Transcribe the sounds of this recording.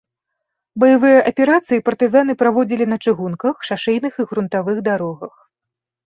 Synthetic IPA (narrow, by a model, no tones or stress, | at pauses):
bɐjavɨjɐʔɐpʲɛɾat̪sɨjipɐrt̪ɨzan̪ɨpɾavɔd͡zʲilʲinɐt͡ʂɨɣunkɐxʂaʂɛjnɨxiɣɾunt̪avɨɣd̪aɾɔɣɐx